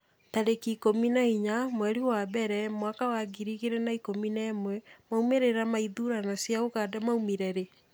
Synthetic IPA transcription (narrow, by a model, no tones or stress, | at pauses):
taɾekikominaiɲamwɛɾiwabɛɾɛmwakawaɡiɾiɣeɾɛnaikominɛːmwɛmaumeɾeɾamaiðuɾanasjaoɣaːdamaumiɾɛɾe